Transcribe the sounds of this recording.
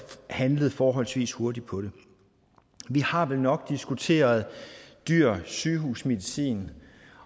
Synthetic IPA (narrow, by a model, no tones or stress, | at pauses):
hænləð̞̩ˠfɒːɦɒ̽l̰sʋḭːsho̝ɐdid̥̚pʰɒ̽ɾ̥e̝ | ʋihɑ̈ʋelnɒ̽ɡ̥̚d̥isɡ̥ut͡sʰe̝̰ːɐð̞̩ˠd̥yɐ̰syːɦuːsme̝ðˠisḭːn